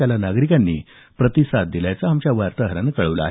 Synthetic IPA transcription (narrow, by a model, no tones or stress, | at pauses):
alanaɡɾikanːiː | pɾət̪isad̪̚d̪ilajt͡saɦamt͡ɕjaʋaɾt̪aɦəɾanəkəɭəʋla̰a̰ɦe